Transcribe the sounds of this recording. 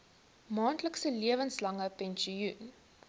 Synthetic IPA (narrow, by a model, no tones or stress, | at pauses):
mɑːntləksəliəvənslɐŋəpɛnʃiun